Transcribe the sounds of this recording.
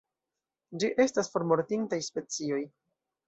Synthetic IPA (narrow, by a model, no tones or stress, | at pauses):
d͡ʒiʔe̞stasfo̞ɾmo̞ɾtintajspe̞t͡sio̞j